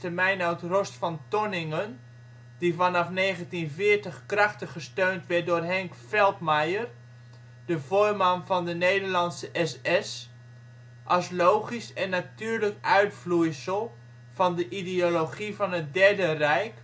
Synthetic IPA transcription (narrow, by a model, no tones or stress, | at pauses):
təmɛjnœwtrɔstfɑntɔnɪŋən | divɑnɑfneːχəntinvɪːɹtəχkrɑχtəχəstøɥntʋɛt̚dʊːrɦɛŋkfɛlˠtmajər | dəvoːɹmanvɑndənejdəɹlɑnsəʔɛsɛs | ʔɑslowχisɛnːatyːɹləkœɥtflujsəlˠ | v̥ɑndəʔidioloχivɑnət̚dɛɹdərɛjk